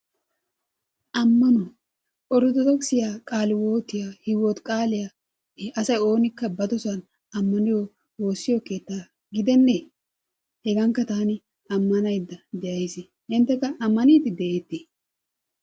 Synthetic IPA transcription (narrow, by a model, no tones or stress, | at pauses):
ʔɐmːɐnɔ | ʔɔɾɔd̪ɔd̪ɔksɪjaːkʼaːlɪwoːt̪ːɪjaːhɪwɔt̪kʼaːlɪja | ɐsɐjo̞ːnɪkːɐbɐd̪ɔsɐn | ɐmːɐnɪjo | wo̞ːsːɪjoːke̞ːt̪ːaː | ɡɪd̪ɛnːe | hɛɡɐŋkːɐt̪aːnɪ | ɐmːɐnɐjd̪ːɐd̪ɛʔɐjsɪ | hɪnt̪ːɛkːɐʔɐmːɐniːt̪ɪd̪ɛʔeːt̪ːi